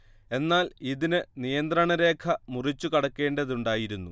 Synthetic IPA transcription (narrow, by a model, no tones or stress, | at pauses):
e̞nːaːliðinɨnijɐnd̪rɐɳɐɾe̞ːkʰɐmurit͡ɕːukɐɽɐkːe̞ːɳɖɐðuɳɖaːjiɾunːṵ